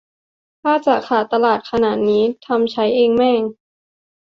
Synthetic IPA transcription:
t̪ʰaː˥˩t͡ɕa˨˩kʰaː˨˩t̪a˧laː˨˩t̪̚kʰa˧naː˨˩t̪̚niː˦˥t̪ʰa˧mt͡ɕʰa˦˥jʔeː˧ŋmɛː˥˩ŋ

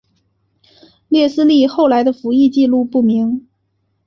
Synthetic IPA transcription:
ljɛ˥˩sɹ̩˥li˥˧xo˥˩ʊla˧˥ɪd̪ə˧fu˧˥i˥˧t͡ɕi˥˧lu˥˧pu˥˩mi˧˥ŋ

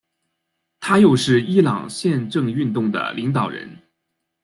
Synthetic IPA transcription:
t̪ʰa˥jo˥˧ʊʂɻ̩˥˩i˥lɑ̰˨˩ŋɕjɛ˥˧nʈ͡ʂɤ˥˧ŋy˥˧nt̪ʊ˥˩ŋd̪ə̰˩li˧˥ŋt̪ɑ˨˩ʊɻə̰˧˥n

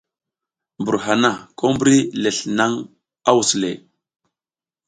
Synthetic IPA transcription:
mbu˨ɾɦa˨na˦˨ko˦mbɾi˦le˨ɬna˦ŋ | a˦wu˨sle˨

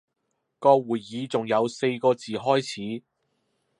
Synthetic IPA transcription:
kɔː˧k̚wuː˨˩jːiː˨˧t͡sʊ˨ŋjɐ˨˧wse˧jkɔː˧t͡siː˨ɦɔː˥jt͡sʰiː˨˥

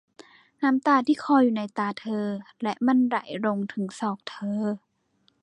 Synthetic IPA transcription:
na˦˥mt̪aː˧˩t̪ʰiː˧˩kʰɔː˧˩juː˨˩˨na˧˥jt̪aː˧t̪ʰɤː˧ | lɛ˦˧˥ʔma˧˥˨nɾa̰˨˩˦jɾo˧ŋt̪ʰɯ˩˦ŋsɔː˧˩k̚t̪ʰɤː˧

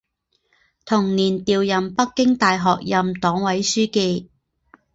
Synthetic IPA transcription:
t̪ʰʊ˨˩ŋniː˨˩nt̪iː˨wjɐ˨mpɐ˥kːɪ˥ŋt̪aː˨jɦɔː˨k̚jɐ˨mt̪ɔː˨˥ŋwɐ˨˥jsyː˥ke˧j

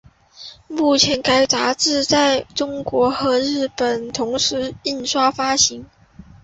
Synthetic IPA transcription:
mu˥˩t͡ɕʰjɛ˧˥nka˥ɪt͡sa˧˥ʈ͡ʂɻ̩˥˧t͡sa˥˩ɪʈ͡ʂʊ˥ŋkwɔ˧˥xɤ˧˥ɻɻ̩˥˩pə˨˩nt̪ʰʊ˧˥ŋʂɻ̩˧˥i˥˩nʂwa˥fa˥ɕi˧˥ŋ

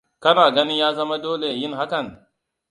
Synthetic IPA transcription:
kɐ˦naː˨ɡɐ˦nɪ˦jaː˦zɐ˦ma˦doː˦le˨jɪ˦ŋɦa˦kɐ˨ŋ

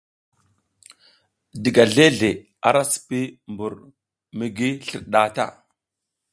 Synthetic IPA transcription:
di˨ɡa˨ɮe˦ɮe˨ | a̰˨ɾa˦si̥˨pi˦mbu˨ɾ | mi˨ɡi˦ɬḭ˨ɾɗa˦˨ta̰˦˨

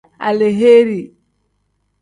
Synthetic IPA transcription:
a̰˨le˨ɦe˦ɾi˨

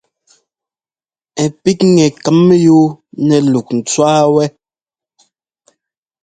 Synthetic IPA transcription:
ɛ˨pi˦k̚ŋɛ˨kə˨˦mː˦ju˦nɛ˨lu˨k̚n̩˨t͡swaː˦wɛ˦

